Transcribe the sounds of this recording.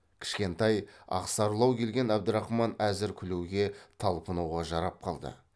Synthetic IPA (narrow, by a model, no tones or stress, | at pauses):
kʲʰɪ̥ʃkʲe̞nt̪ɑjɑ̰qsɑɾlˠɑwkʲʰe̞lɡʲe̞næbd̪əɾɑχmɑnæzɪɾkʲʰʏlewɡʲe̞t̪ʰɑlˠpənɑwʁɑʒɑɾɑp̚qʰɑlˠd̪ə̰